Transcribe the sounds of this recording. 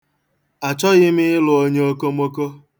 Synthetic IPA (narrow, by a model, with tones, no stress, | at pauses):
a˨t͡ʃɔ˦ɣɪ˦mɪ˦ɪ˦lʊ˨o˦ɲe˦o˦ko˦m˦o˦ko˦